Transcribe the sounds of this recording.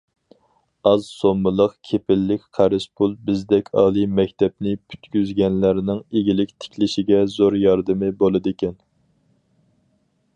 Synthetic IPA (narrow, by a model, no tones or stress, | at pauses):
ɑzsomːɨlˠəqkʲʰepɪlːɪkʲqʰæɾɪspʰulˠbɪzd̪ɛkʲʰɑ̰lˠɨmɛkʲt̪ʰɛp̚nɪpʰy̥t̪kʲyzɡʲɛnlæɾnɪŋeɡʲilɪkʲt̪ʰɪ̥kʲʰlɪʃɪɡʲɛzoɾjɑɾd̪ɨmɪbolˠɨd̪ɪkʲʰɛn